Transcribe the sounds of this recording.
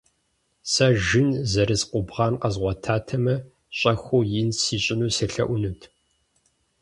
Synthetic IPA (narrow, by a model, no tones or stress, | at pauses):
sɐʒɪnzɐɾɨzqʷʊbʁɑːnqɐzʁʷɔtʰaːtʰɐmɐ | ɕʼɐxʷoːjɪnsiːɕʼɪnuːsɐɬɐ̰ʔʷʊnɨtʰ